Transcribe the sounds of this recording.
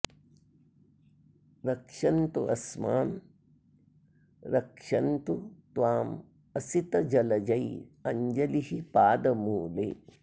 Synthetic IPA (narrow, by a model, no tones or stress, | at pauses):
ɾɐkʂɐnt̪ṵɐ̰smaːn | ɾɐkʂɐnt̪ut̪ʋaːm | ɐsit̪ɐd͡ʒɐlɐd͡ʒɐjɐɲd͡ʒɐlihipaːd̪ɐmuːlḛː